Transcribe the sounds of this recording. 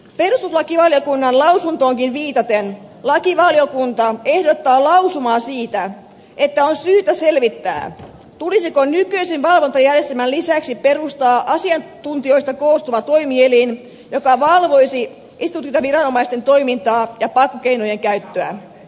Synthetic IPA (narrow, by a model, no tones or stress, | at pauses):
pe̞rust̪uslɑkiʋɑljokunːɑnlɑwsunt̪o̞ːŋkinʋiːt̪ɑt̪enlɑkiʋɑlijokunt̪ɑe̞hdot̪ːɑːlɑwsumɑːsiːt̪æ | et̪ːæonsyːt̪æse̞lʋit̪ːæ̰ː | t̪ulisikonykøisinʋɑlʋont̪ɑjærjest̪emællisæksiperust̪ɑːʔɑsiɑnt̪unt̪io̞ist̪ɑkoːst̪uʋɑt̪o̞imielin | jo̞kɑʋɑlʋo̞jsi | isit̪ut̪kinɑʋiɾɑno̞mɑist̪e̞nt̪o̞jmint̪ɑːjɑpɑkːokeinojeŋkæyt̪ːøæ̰